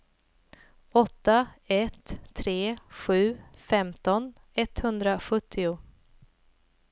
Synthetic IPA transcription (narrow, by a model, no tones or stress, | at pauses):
ɔt̪ːaɛt̪ʰːɾeːɧʉ̟ːfɛmt̪ɔn | ɛt̪hɵnd̪ɾaɧɵt̪ʰːɪʊ